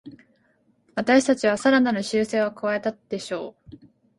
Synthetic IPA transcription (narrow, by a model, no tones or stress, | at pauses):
βat̪aɕi̥t̪at͡ɕiβ̞asaɾananɯ̟ɕɨːse̞ːβokɯ̟βae̞t̪ad̪̥e̞ɕo̞ː